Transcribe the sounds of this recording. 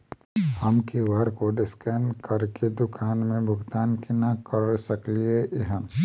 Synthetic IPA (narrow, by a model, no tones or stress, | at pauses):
həmkiʋaɾkoɖɪskənkəɾked̪ʊkʰaːnmẽbʱʊɡt̪aːnkinakəɾsəklieʔɪɦə̃